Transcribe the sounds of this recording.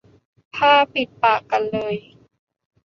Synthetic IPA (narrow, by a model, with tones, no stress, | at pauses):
t̪ʰaː˥˩pi˨˩t̪̚paː˨˩kːa˧nlɤː˧j